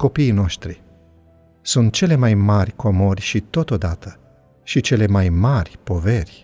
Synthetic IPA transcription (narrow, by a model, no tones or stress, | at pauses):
ko̞piino̞ʃt̪ɾi | sunt̪̚t͡ʃe̞le̞majmarʲkomo̞rʲʃit̪o̞t̪o̞d̪at̪ə | ʃit͡ʃe̞le̞majmarʲpo̞ve̞rʲ